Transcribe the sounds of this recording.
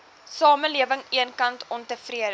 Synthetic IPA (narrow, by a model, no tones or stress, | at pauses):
sɑːməliəvəŋiənkɐntʰɔmtəfriəd